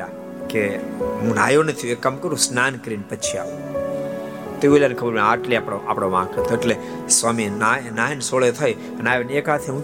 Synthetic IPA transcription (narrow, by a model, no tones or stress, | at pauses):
a | keɦũnaːjonət̪ʰijuekːəmkəɾũsnaːnkɾinpət͡ʃʰia̰ː | t̪eʋulankʰəbəɾmaːʈliapɽoʔaːpɽ̃oʋã̰ːkəɾt̪ʰoɪʈle | sʋaːminanaːjnsoɭet̪ʰəj | ənaːjoneːkaːt̪ʰeũ